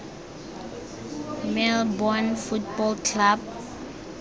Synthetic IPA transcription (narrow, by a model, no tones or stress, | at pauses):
melbɔnfut̚bɔlkʰlab̚